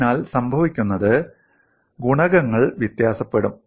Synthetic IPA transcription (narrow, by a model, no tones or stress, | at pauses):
naːlsɐmbʱɐʋikʲːunːɐðɨ | ɡuɳɐɣɐŋːɐɭʋjit̪jaːsɐpːe̞ɽum